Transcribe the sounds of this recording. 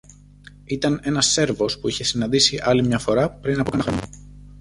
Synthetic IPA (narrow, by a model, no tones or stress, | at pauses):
it̪ɐne̞nɐsːe̞ɾvo̞spuiçe̞sinɐnd̪isiʔɐlimɲɐfo̞ɾɐpɾinɐpo